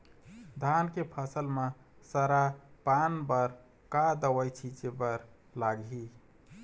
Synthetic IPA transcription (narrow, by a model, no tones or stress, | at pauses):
d̪ʱankepʰəsəlme | səɾapanbəɾ | kad̪əwəjt͡ʃʰid͡ʒebəɾ | laɡi